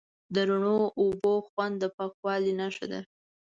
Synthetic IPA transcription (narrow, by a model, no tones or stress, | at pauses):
d̪əɾuɳoʔːboxwand̪ːəpɑkwɑlinaʃa̰d̪a̰